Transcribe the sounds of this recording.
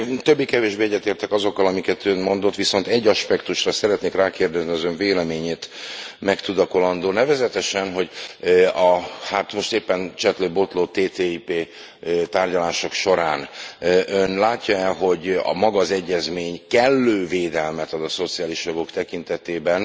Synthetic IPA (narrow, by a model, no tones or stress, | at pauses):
t̪øbːikɛveːʒbeːɛɟːɛt̪eːrt̪ɛkɒzo̞kːɒlɒmikɛt̪ønmo̞nd̪o̞t̪ːʋiso̞nt̪ɛɟːɒʃpɛkt̪uʃrɒsɛɾɛt̪neːkraːkeːrd̪ɛzniɒzøɱveːlɛmeːɲeːt̪mɛkt̪ud̪ɒko̞lɒnd̪oːnɛvɛzɛt̪ɛʃɛnɦo̞ɟ | ɒhat̪mo̞ʃt̪eːpːɛnt͡ʃɛt̪løbo̞t̪loːt̪eːt̪eːipeː | t̪aːrɟɒlaːʃo̞kʃo̞ɾaːnʔønlaːcːɒɛlɦo̞ɟɒ̰mɒɡɒzɛɟːɛzmeːɲkɛlːøːveːd̪ɛlmɛt̪ɒd̪ɒso̞t̪sijaːliʃjoɡo̞kt̪ɛkint̪ɛt̪eːbɛn